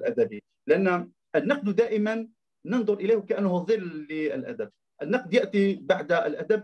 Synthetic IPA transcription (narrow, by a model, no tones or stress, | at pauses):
lʔæd̪æbi | lɪʔanː | ʔənːɑqd̪d̪æːʔəmanː | ənd̪ˤʊɾˤʔəlæjhwkaʔanːhʊðˤɨlːiə̰lʔæ̰d̪əb̚ | ʔənːɑq̚d̪jaʔt̪ibaʕd̪əlʔæd̪æb̚